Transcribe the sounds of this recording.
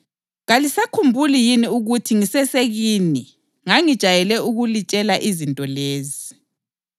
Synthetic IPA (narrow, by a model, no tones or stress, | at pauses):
ɣalisakʰumbʱulijiniuɣutʰiŋisɛseɣiːni | ŋaŋid̥ʒ̥ʱajɛlɛʔuɣulit͡ʃʼɛlaʔizintʼɔleːzi